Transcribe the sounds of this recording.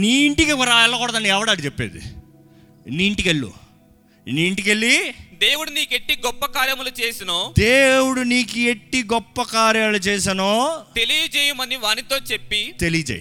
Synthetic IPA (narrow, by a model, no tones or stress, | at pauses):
niiɳʈikikɐɾaːɛlːɐkɔɽɐd̪ɐnːiɛʋɐɽaɐɽit͡ʃepːeːd̪ḭ | niːɳʈikeɭːṵ | niːɳʈikeɭːid̪e̞ːwuɽuniːkeʈːiɡɔpːɐkaːɾjɐmɐlut͡ʃeːsinoːd̪eːwuɽuniːkueʈːiɡɔpːɐkaːɾjaːlut͡ʃeːs̬ɐnoːt̪elijɐd͡ʒeːjumɐniʋaːnit̪o̞ːt͡ʃepːit̪elijɐd͡ʒḛj